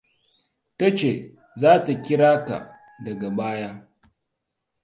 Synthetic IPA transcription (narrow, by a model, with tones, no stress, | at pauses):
tɐ˦t͡ʃe˨ | zaː˦ta˨kʲɪ˦ɽaː˦ka̰˨ | dɐ˨ɡa˨baː˦jaː˦